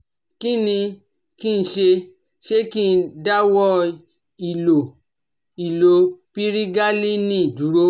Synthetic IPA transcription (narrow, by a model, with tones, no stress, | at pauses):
ki˦nĩ˧ | ki˦˧n̩˧ʃe˧ | ʃe˦ki˦˧n̩˦da˦wɔ˦ | i˨lo˨ | i˨lo˨pi˦ɾi˦ɡa˦li˦nĩ˦i˨du˨˦ɾo˦